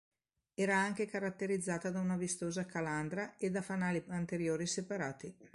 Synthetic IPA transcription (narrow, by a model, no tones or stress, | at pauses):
ɛːɾaaŋk̟ekaɾat̪ːeɾid̪zːaːt̪ad̪aunavist̪oːzakaland̪ɾaed̪afanaːliant̪eɾjoːɾisepaɾaːt̪i